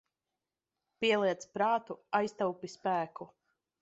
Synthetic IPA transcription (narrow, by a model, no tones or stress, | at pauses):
piɛlˠiɛt̪spɾaːt̪uajst̪awpispæːkʰu